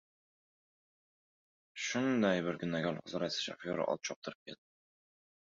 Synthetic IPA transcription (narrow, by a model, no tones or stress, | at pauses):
ʃʊnd̪ajbɪɾɡʲʊnːaɡʲɒlˠχʊzɑɾasḁʃa̰fjoɾa̰ʔɒ̰lˠt̪̚t͡ʃʰɒp̚t̪ʰɨɾɪp̚kʲʰeld̪ɪ